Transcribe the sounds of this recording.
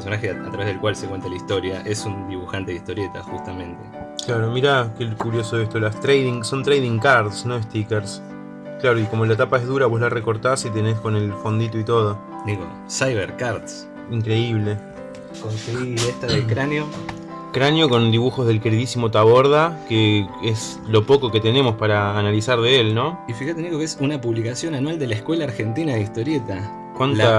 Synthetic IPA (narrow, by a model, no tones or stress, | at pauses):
ppeɾsonaxeat̪ɾaβeðelkwalsekwe̞nt̪alaist̪o̞ɾjaʔe̞sund̪iβuxant̪e̞ðiht̪o̞ɾjet̪a̰xust̪amẽnt̪e | klaɾo̞miɾakekuɾjo̞soest̪olast̪ɾejðiŋso̞nt̪ɾejðiŋkaɾt̪sno̞est̪ikeɾs | klaɾo̞iko̞mo̞laet̪apae̞ɦðuɾaβo̞zlareko̞ɾt̪asit̪e̞ne̞sko̞ne̞lfo̞nd̪it̪oit̪o̞ð̞o̞ | d̪iɣo | sajβeɾkaɾt̪s | iŋkɾe̞iβle̞ | koseiest̪aðekɾanjo | kɾanjo̞ko̞nd̪iβuxo̞zðe̞lkeɾiðisimo̞t̪aβo̞ɾð̞akees | lo̞po̞ko̞ke̞t̪e̞ne̞mo̞spaɾaːnalisaɾðeelnõ̞ifixat̪eniɣokeesunapuβlikasjo̞nanwald̪elaekwe̞laːɾxe̞nt̪inaðeist̪o̞ɾjet̪a | kwana